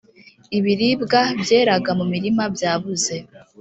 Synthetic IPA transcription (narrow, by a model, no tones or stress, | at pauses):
iβiɾibɡabje̞ːɾaɡamumiɾimabjaːβuze̞